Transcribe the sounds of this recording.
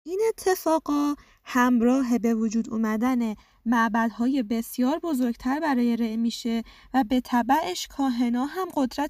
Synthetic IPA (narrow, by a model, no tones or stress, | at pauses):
ʔiːne̞t̪ʰːe̞fɒːɡɒː | hæmɾɒːɦe̞be̞vod͡ʒuːd̪uːmæd̪æne̞ | mæʔbæd̪hɒːje̞be̞sjɒːɾbo̞zo̞ɾɡt̪ʰæɾbæɾɒːje̞ɾeʔmiːʃe̞ | væbe̞t̪ʰæbæʔeʃkʰɒːɦe̞nɒːɦæmɢo̞d̪ɾæt̪